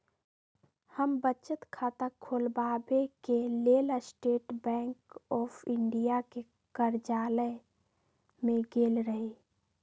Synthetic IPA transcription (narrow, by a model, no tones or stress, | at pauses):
həmbət͡ʃət̪kʰaːt̪əkʰoːlbaːbekeleːləsʈeːʈbɛ̃ːŋkɔːpʰɪɳɖijake | kəɾd͡ʒaːlə | mẽɡeːlɾəɦeː